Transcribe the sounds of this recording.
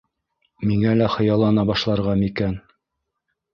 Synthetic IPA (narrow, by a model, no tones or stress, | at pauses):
miŋælæχɤ̆jɑlˠːɑnɑbɑʃlˠɑɾʁɑmikæn